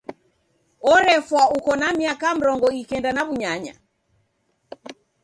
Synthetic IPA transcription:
ɔɾɛfwaukɔnamiakam̩ɾɔŋɡɔikɛndanaβuɲaɲa̰

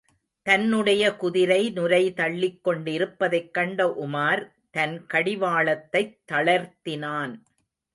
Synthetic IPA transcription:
t̪ɐnːɯɽɐjɐkʊðɪɾɐɪnʊɾɐɪt̪ɐɭːɪkːɔɳɖɪɾɯpːɐðɐɪkːɐɳɖɐʔʊmaːɾ | t̪ɐnkɐɽɪʋaːɭɐt̪ːɐɪt̪ːɐɭɐɾt̪ɪnaːn

